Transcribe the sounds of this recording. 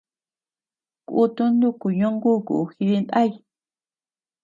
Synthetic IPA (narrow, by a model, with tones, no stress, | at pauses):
kʔu˦t̪u˦nd̪u˦ku˨ɲõ˦ŋɡu˦˨kṵ˨xi˧ði˧nd̪a˦˨i˧